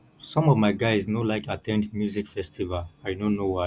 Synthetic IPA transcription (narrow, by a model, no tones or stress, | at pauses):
sɔ̃mɔvmaɪɡaɪznolaɪkatʰɛ̃ndmjuzikfɛstʰivalaɪdõnːowa